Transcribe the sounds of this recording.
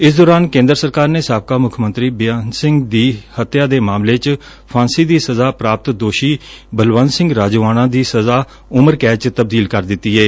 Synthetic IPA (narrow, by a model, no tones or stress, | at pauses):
ɪs̬d̪ɔːɾaːnkẽːnd̪əɾsəɾkaːɾneːsaːb̚kaːmʊkʰmə̃nt̪ɾiːbɪjaːnsɪ̃ŋɡd̪iːhət̪jaːd̪eːmaːmleːt͡ʃ | pʰãːnsiːd̪iːsəzaːpɾaːp̚t̪d̪oːʃiːbəlʋãːnsɪ̃ŋɡɾaːd͡ʒʋaːnãːd̪iːsəzaː | ʊməɾkɛːt͡ʃt̪əb̚d̪iːlkəɾd̪ɪt̪ːiːɛː